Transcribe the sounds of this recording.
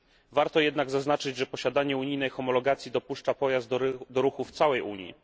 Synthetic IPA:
vaɾt̪ɔjɛd̪naɡzaznat͡ʂɘd͡ʑʐɛpɔɕad̪aɲɛuɲijnɛjxɔmɔlɔɡat̪sʲjid̪ɔpuʂt͡ʂapɔjazd̪d̪ɔɾuxuft̪sawɛjuɲjḭ

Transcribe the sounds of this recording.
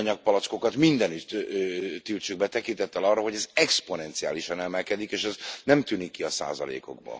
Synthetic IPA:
ɲɒk̚pɒlɒt̪sko̞kɒt̪mind̪ɛnyt̪t̪ːilt͡ʃyɡ̚bɛt̪ɛkint̪ɛt̪ːɛlɒrːɑɦo̞ɟɛzɛksponɛnt̪sia̰ːliʃɒnɛmɛlkɛd̪ikeːʃɛznɛmt̪ynikːiɒsa̰ːzɒ̰lḛːko̞̰ɡbɒ̰

